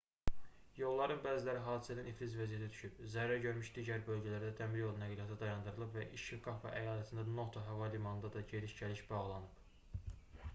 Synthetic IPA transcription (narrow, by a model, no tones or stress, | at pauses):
jo̞lˠːɑɾɯnbæːzilæɾiɦɑːd̪isæniniflizvæzijæt̪ʰit̪ʰy̥ʃybzæɾːæɟø̞ɾmyʃd̪iːɟæɾbø̞lɟælæɾd̪æd̪ʰæmiɾjo̞lˠunæɡilijɑt̪ʰid̪ɑjɑnd̪ɯɾɯlˠɯpvæʔiʃiɡɑfɑ̰ʔæjɑːlæt̪ʰiɯnd̪ɑno̞t̪ʰoɦævɑlimɑnɯnd̪ɑd̪ɑɟe̞ɾiʃɟæliʃbɑʁlˠɑnɯp